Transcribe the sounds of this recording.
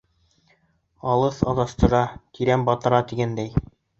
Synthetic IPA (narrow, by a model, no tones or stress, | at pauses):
ɑlˠɤθɑ̰ðɑst̪ɤ̆ɾɑt̪iɾæmbɑt̪ɤ̆ɾɑt̪iɡænd̪æj